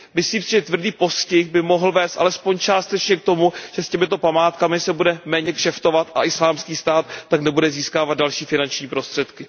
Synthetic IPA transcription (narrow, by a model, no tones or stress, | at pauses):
mɪsliːmsɪʒɛt̪vrdiːpo̞scɪxbɪmo̞ɦl̩vɛːst̪ʔa̰lɛspo̞ɲt͡ʃaːst̪ɛt͡ʃɲɛk̚t̪o̞muʒ̥ɛscɛmɪt̪o̞pamaːt̪kamɪsɛbudɛmɛːɲɛkʃɛft̪o̞vat̪ʔaʔɪslaːmskiːst̪aːt̪ːaknɛbudɛziːskaːvad̪̚dalʃiːfɪnant͡ʃɲiːpɾo̞st̪r̥ɛt̪kɪ